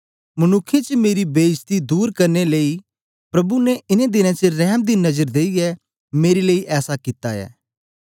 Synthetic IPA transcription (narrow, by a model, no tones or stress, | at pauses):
mɐnʊkʰːet͡ʃmeːɾibeːɪst̪id̪uːɾkɐɾneleːi | pɾɐbunɛɪnẽd̪ɪnãt͡ʃəɾɛːɦmd̪inɐzəɾd̪eːiɛ | meːɾileːiʔɛːsakɪt̪a̰ɛ̰ː